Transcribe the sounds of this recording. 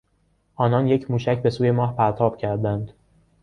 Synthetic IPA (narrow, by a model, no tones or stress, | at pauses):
ʔɒːnɒːnje̞cʰmuːʃæcbe̞suːje̞mɒːhpʰæɾt̪ʰɒːb̥cʰæɾd̪ænd̪